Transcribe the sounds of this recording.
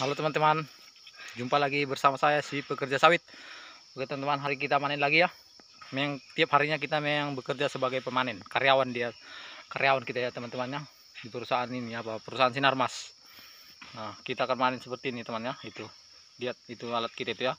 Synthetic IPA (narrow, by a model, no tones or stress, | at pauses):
kalowt̪əmant̪əman | d͡ʒumpalaɡibərsamasajasipəkərd͡ʒasawɪt̪̚baɡt̪əmant̪əmanɦaɾik̬it̪amanɛnlaɡija | mejaŋt̪iap̚haɾiɲak̬it̪ameaŋbəkərd͡ʒasəbaɡajpəmanɛnkaɾeawandiakaɾʔeawankit̪ajat̪əmant̪əmanɲa | dipəɾusaʔaniniapapəɾusaansinarmas | nakit̪aːkanmanɛnsəpərt̪iːnit̪əmanɲait̪u | diat̪̚it̪ualat̪̚kit̪ait̪uja